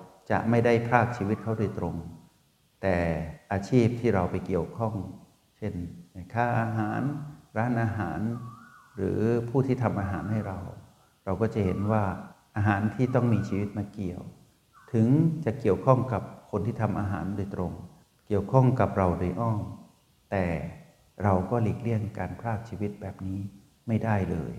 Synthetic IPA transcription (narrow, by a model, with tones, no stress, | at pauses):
t͡ɕa̰˨˩ʔma˥˩jda˥˩jpʰaː˥˩k̚t͡ɕʰiː˧wi˦˥t̪̚kʰa˦˥wdoː˧jt̪ɾo˧ŋ | t̪ɛː˨˩ʔaː˧t͡ɕʰiː˥˩p̚t̪ʰiː˥˩ɾa˧wpa˧jki˨˩əwkʰɔ˥˩ŋ | t͡ɕʰe˥˩n˧˩kʰaː˥˩ʔaː˧ɦaː˩˦nɾaː˦˥nʔaː˧ɦaː˩˦nɾɯ̰ː˩˦pʰuː˥˩t̪ʰiː˥˩t̪ʰa˧mʔaː˧ɦaː˩˦nha˥˩jɾa˧w | ɾa˧wkɔː˥˩t͡ɕa˨˩he˩˦nwaː˥˩ʔaː˧ɦaː˩˦nt̪ʰiː˥˩t̪ɔ˥˩ŋmiː˧t͡ɕʰiː˧wi˦˥t̪̚ma˧ki˨˩əw | t̪ʰɯ˩˦ŋt͡ɕa˨˩ki˨˩əwkʰɔ˥˩ŋka˨˩p̚kʰo˧nt̪ʰiː˥˩t̪ʰa˧mʔaː˧ɦaː˩˦ndoː˧jt̪ɾo˧ŋ | ki˨˩əwkʰɔ˥˩ŋka˨˩p̚ɾa˧wdo˧jʔɔː˥˩ŋ | t̪ɛː˨˩ | ɾa˧wkɔː˥˩liː˨˩k̚li˥˩əŋkaː˧npʰɾaː˥˩k̚t͡ɕʰiː˧wi˦˥t̪̚bɛː˨˩p̚niː˦˥ | ma˥˩jdaː˥˩jlɤ̰ː˧j